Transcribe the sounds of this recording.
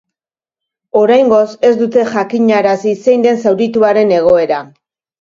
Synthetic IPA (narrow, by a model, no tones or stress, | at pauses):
o̞ɾajŋɡo̞se̞zd̪ut̪e̞ʝakiɲaɾasise̞jnd̪e̞nsawɾit̪uaɾe̞ne̞ɣ̞o̞e̞ɾa